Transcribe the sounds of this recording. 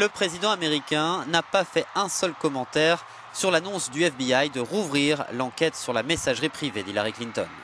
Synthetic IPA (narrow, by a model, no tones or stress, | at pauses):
ləpχezid̪ɑ̃ameʁikʲɛ̃napafɛɛ̃sœlkɔmɑ̃t̪ɛʁ | syʁlanɔ̃sd̪yɛfbiajd̪əʁuvʁiʁlɑ̃kʲɛt̪syʁlamesaʒʁipχived̪ila̰ʁiklĩnt̪ɔ̰n